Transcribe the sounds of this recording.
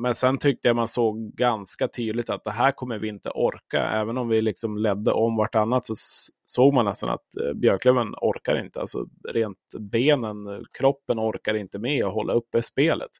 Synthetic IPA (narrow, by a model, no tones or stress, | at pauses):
mɛnsɛnt̪ʰʏk̚t̪əjamansoːɡɡanskat̪ʰyːd̪lɪt̪at̪̚d̪ɛɦæːɾkʰɔmːəɾvɪɪnt̪ə̰ʔɔɾka̰ɛ̰ːvənɔmvɪlɪksɔmlɛd̪ːə̰ʔɔmvaʈːanːat̪sɔ | soːɡ̚manːɛst̪a̰na̰t̪bjœːkʰlœbənɔɾkaɾɪ̰nt̪əa̰lsɔ̰ɾeːnt̪beːnənkʰɾɔpːənɔɾkaɾɪnt̪əmɛɔɦɔlːaɵpːɛspeːlʔə̰t̪